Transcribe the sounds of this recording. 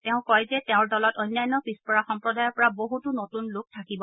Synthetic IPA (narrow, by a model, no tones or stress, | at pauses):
tɛʊ̃kɔjzɛtɛʊ̃ɹdɔlɔtɔjnːajnːɔpispɔɹaxɔmpɹɔdajɔɹpɔɹaboɦutunotunlʊk̚tʰakibɔ